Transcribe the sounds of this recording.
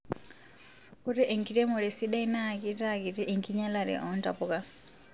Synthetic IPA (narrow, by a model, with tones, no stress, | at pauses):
ku˦ɾɛ˦ʔɛ˨ŋki˨ɾɛ˦mɔ˨ɾɛ˨si˦ɗa˦ina˨kita˦ki˨ti˦ʔɛ˨ŋkiɲa˦la˨ɾɛ̰ʔɔnta̰˨puka˦